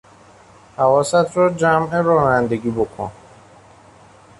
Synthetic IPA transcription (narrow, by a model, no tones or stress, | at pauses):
havɔsat̪ʰɾɔd͡ʒameɾɔːnænd̪eɡibokʰo̰n